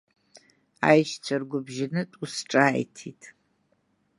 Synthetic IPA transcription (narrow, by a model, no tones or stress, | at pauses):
a̰ːjʃt͡sʷʰɐrɡʷʊbʒɪnɨtʼusʈ͡ʂʼaːjtʰiːtʰ